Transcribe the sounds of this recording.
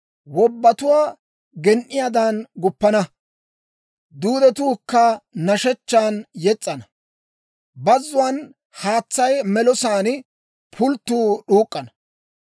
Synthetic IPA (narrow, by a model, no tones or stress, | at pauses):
wɔbːɐt̪ʊwaː | ɡɛnʔɪjad̪aːnɡʊpːɐnɐ | d̪uːd̪ɛt̪uːkːɐnɐʃɛt͡ʃːaːnjɛt͡sʼːɐnɐ | bɐzːʊwaːn | haːt͡sːɐjmɛlɔsaːnɪ | pʰʊlt̪ːuːɗuːkʼːɐnɐ